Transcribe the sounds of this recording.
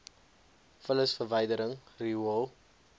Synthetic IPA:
fələsfərvəjdəɾəŋriəlˠ

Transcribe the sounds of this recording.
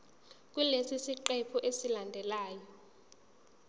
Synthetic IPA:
k̬ʼwulesisiǃɛpʰɔʔesilandʱɛlaːjɔ

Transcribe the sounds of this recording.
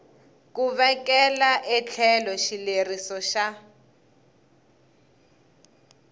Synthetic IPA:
kuβɛkɛlaʔɛt͡ɬʰɛlɔʃilerisɔʃa

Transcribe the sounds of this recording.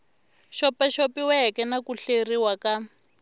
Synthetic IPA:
ʃɔpaʃopiwɛkɛnakuɬeriwaka

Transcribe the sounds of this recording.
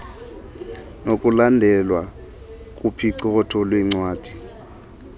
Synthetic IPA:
nokʼulandʱɛlwa | kʼupʰiǀɔkɔtʰɔlwiŋ͡ǀwaːd̥ʱi̥

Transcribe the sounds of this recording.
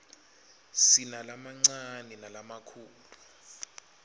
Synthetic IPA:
sinalamaŋ͡ǀanɛnalamakʰuːlu

